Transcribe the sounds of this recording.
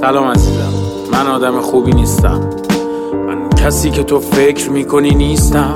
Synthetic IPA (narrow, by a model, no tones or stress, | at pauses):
sælɒːmæziːzæ̰mː | ænɒːd̪æmexuːbiːniːst̪æ̰m | mæncʰæsiːcʰe̞t̪ʰofe̞cʰɾmiːkʰoniːniːst̪æm